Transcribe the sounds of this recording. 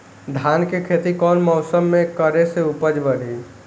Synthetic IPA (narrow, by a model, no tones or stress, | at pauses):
d̪ʱaːnkekʰeːt̪ikɔːnmɔʊsəmːẽkəɾeseupəd͡ʒbəɽ̤i